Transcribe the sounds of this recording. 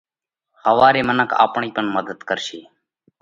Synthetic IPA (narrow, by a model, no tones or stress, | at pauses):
həʋaːɾeːmənəkʰa̰ːpɳiːpəɳməd̪əd̪kəɾʃiː